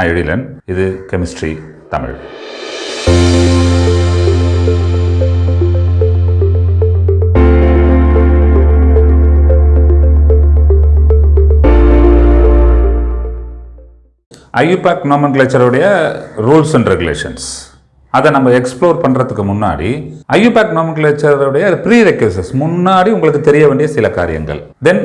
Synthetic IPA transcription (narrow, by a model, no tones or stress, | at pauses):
ɛɻɪlɐ̰nɪðɯkɛmɪsʈɾḭ | t̪ɐmɪ̰ɻ | ʔɐjupaːknoːmɐnkleːt͡ʃːɐɾɯɽɐjɐɾuːlsɐɳɖɾɛɡʊlḛːʂɐ̰ns | ɐðɛnɐmbɐɛkspɭoːɾpɐɳːɾɐt̪ːɯkːɯmʊnːa̰ːɽḭɐjːupaːknoːmɐnk̬let͡ʃːɐɾɯɽɐjɐpɾiːɾɛkːʋeːsɛsmʊnːaːɽiʊŋɡɐɭɯkːɯt̪ɛɾɪjɐʋeːɳɖɪjɐsɪlɐka̰ːɾɪjɐ̰ŋɡɐ̰ɭ | d̪ɛn